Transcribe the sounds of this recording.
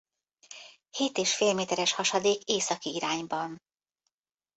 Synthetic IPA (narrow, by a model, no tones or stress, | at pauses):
heːt̪eːʃfeːlmeːt̪ɛɾɛʃhɒʃɒd̪eːkeːsɒkiiɾaːɲbɒn